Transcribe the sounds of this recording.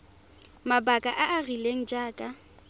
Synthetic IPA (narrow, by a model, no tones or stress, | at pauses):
mabakʼaʔaarileŋ̩d͡ʒaːkʼa